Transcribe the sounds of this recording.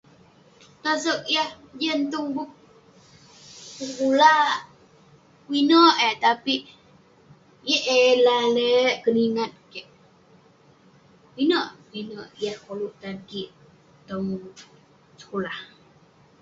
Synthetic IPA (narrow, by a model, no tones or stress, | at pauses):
t̪as̬əʔjah | d͡ʒənt̪uŋbuk̚ | kəkula | winəʔet̪apiʔ | jəʔelaleʔkəniŋat̪̚keʔ | winəʔwinəʔjahkoluʔt̪aɡiʔ | t̪ɔŋ | sə̥kulah